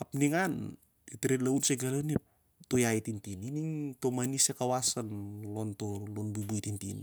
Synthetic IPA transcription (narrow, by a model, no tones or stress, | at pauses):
ap̚niŋan | it̪iɾɛlaunseɡalani | t̪ojait̪int̪ininiŋt̪omanisekawasanlɔnt̪ɔlɔnbubuit̪int̪inḭ